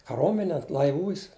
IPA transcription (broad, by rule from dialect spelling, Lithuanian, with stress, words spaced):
kɐˈroːmʲɛnʲeː lˠɐɪˈʋuːs